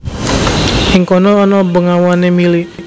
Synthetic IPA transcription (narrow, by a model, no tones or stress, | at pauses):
hiŋkɔnɔɔnɔbəŋawanemili